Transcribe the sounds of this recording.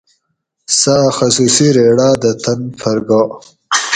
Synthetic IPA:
saːxasusiɾeɽaːd̪ət̪ʰɐnfɐɾɡo

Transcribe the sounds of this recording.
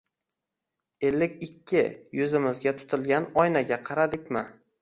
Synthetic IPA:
e̞lːɪkʲɪkʲʰːɪjɵzɪmɪzɡʲat̪ʰʊ̥t̪ʰɪlɡʲanɒjnaɡʲaqʰɑɾad̪ɪkʲmɪ

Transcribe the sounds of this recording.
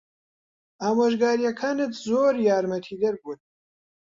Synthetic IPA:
aːmoːʒɡaːɾijɐkʰaːnɨt̪ʰzoːɾjaːɾmɐt̪ʰiːd̪ɐɾbut̪

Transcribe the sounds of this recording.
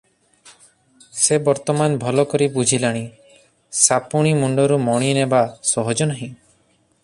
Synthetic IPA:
sebɔɾt̪ɔmanbʱɔlɔkɔɾibud͡ʒʱilaɽ̃ĩ | sapuɽ̃imuɳɖɔɾumɔɽ̃inebasɔɦɔd͡ʒɔnaɦĩ

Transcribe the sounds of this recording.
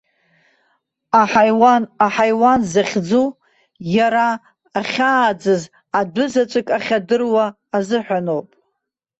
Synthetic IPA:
aħajwanaħajwanzaχʲd͡zu | jaɾaː | χʲaːd͡zɨz | adʷʊzat͡ʃʷʼɨkʼaχʲadɨrwaː | zɨħᶣʷanowpʼ

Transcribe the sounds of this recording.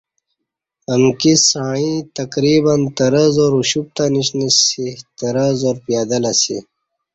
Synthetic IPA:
əmkisaːɻ̃ĩt̪ɐkɾiːbɐnt̪ɐɾɐzoːɾuɕup̚t̪aniɕnisit̪ɐɾazoːɾpjaːd̪ɐlɐsi

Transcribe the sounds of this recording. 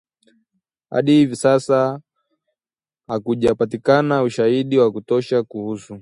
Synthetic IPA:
ha̰ɗihivisasa | hakuʄapatikanauʃahiɗiwakutɔʃakuhusu

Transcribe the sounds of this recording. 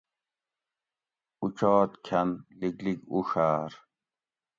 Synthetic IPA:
ut͡ɕoːt̪kʰɐnliɡliɡuʂaːɾ

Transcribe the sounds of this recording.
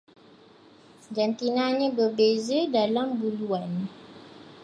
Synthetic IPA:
d͡ʒant̪inãɲãbəbezədalambuluan

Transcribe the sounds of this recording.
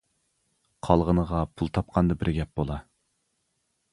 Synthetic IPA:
qʰɑlˠʁənəʁɑpʰulˠt̪ʰɑp̚qʰɑnd̪ɨbɪɾɡʲɛp̚b̥olˠɑ

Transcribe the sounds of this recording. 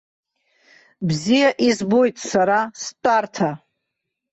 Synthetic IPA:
bzijaʔizbojtʼsaɾastʼartʰa

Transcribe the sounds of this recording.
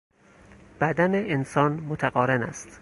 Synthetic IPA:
b̥æd̪æneʔensɒːnmot̪ʰæɣɒːɾenæ̰st̪

